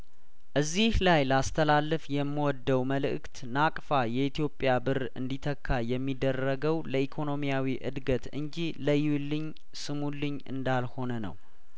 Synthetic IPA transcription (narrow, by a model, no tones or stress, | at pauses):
ʔɨzːihlajləast̪ʰəlalːɨfjɛmːiwɔd̪ːəwməlɨ̰ʔɨkt̪nakʼfajɛit̪jo̞pʼːjabɨɾɨ̰nd̪it̪ʰəkʰːajɛmːid̪ərːəɡəwləʔikʰo̞no̞mijawiʔɨ̰d̪ɡət̪ɨɲd͡ʒiləjulːɨɲ | sɨmulːɨɲɨ̰nd̪alho̞nənə̰w